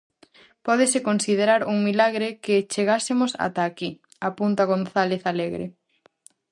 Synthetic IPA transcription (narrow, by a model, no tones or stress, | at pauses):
pɔðesekonsið̞eɾaɾuŋmilaɣɾekɪt͡ʃeɣasemʊsa̰t̪aːki | apunt̪aɣ̞onθaleθaleɣɾḛ